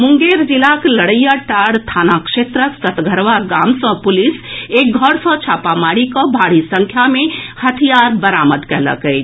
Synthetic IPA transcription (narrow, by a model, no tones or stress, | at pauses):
muŋɡeɾd͡ʒilakləɽəjaʈaɽt̪ʰaːnakʃet̪ɾəksət̪ɡʱəɾʋaɡamsɔ̃pulisek̚ɡʱəɾsɔ̃t͡ʃʰapamaɽikɔbʱaɽ̤isə̃ŋkʰjamẽhət̪ʰijaɾbəɾaməd̪kɛɦlə̰kəj